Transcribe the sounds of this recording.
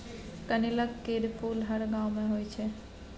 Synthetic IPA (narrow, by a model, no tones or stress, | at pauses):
kəniləkːeɾpulɦəɽɡãwmẽɦojt͡ʃʰe